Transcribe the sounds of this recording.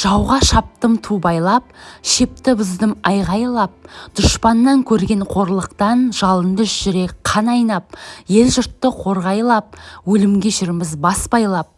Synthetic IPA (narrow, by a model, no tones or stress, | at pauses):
ʒ̥ɑwʁɑʃɑp̚t̪əmt̪ʰubɑjlˠɑp̚ʃe̞p̚t̪ɪbʊzd̪ɪmɑjʁɑjlˠɑp̚d̪̥ʊʃpɑnːɑŋkʲʰɵɾɡʲe̞ɴqʰo̞ɾlˠəqt̪ɑnʒ̥ɑlˠənd̪əʒʒʏɾe̞kqʰɑnɑjnɑp̚je̞lʒʊɾt̪ːəqʰo̞ɾʁɑjlˠɑp̚wɵlɪmɡʲe̞ʃɪɾɪmɪzbɑsbɑjlˠɑp̚